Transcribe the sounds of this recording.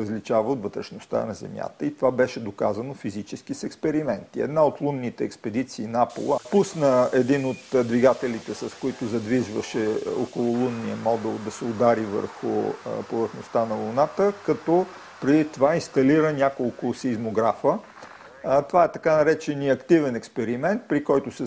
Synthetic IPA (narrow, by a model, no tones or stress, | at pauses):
ɾəzlit͡ʃavəot̪vət̪ɾɛʃnost̪a̰nɐzɛ̰mja̰t̪əit̪ovabɛʃɛd̪oka̰zɐnofizit͡ʃɛskisɛkspɛɾimɛnt̪iɛ̰d̪naot̪lˠunːit̪ɛɛkspɛd̪it̪siːnapo̰lˠəpusnəɛd̪inot̪d̪viɡat̪ɛlit̪ɛsɐskoit̪ʊzɐd̪viʒvəʃɛɔ̰kolˠʊlˠunːiəmɔd̪ɛlˠd̪ɐsɛod̪aɾivə̰ɾxʊ̰povəɾxnost̪anɐlˠʊnat̪əkɐt̪ɔ | pɾɛd̪it̪ovainst̪ɐliɾənʲakolˠkʊsizmoɡɾafə | t̪ovaɛt̪ɐkanɐɾɛt͡ʃɛniɐkt̪ivɛnɛkspɛɾimɛnt̪̚pɾikɔjt̪ʊsɛ